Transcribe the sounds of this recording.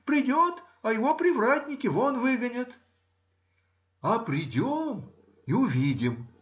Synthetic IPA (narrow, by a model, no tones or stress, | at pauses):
pɾʲɪdʲot̪ | ɐjɪvopɾʲɪvratʲnʲɪkʲɪvonvɨɡənʲət̪ | ɐpɾʲɪdʲom | iʊvʲidʲɪm